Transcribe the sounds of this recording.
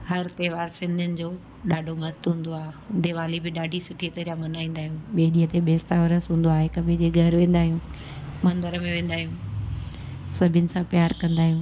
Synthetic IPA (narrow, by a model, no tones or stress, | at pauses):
hɐɾt̪eːʋaːɾsɪ̃nd̪ʱʊnɪ̆d͡ʑoː | ɗaːɖʱomɐst̪ɦũːnd̪oaːɦeʊ̃nd̪eʋaːlibʱɪɗaːɖʱisʊʈʰit̪ɐɾijamɐnaːĩːn̆d̪aːɦijũɓeːɗiːət̪eɓeːst̪aʋɐɾəsɦũːn̆d̪oaːɦekɐbʱed͡ʑeɡʱɐɾʋẽːn̆d̪aːɦiũː | mɐ̃nd̪əɾəmẽʋẽːn̆d̪aːɦijũː | sɐbʱɪjənɪ̆sãpjaːɾkɐ̃nd̪aːɦijũː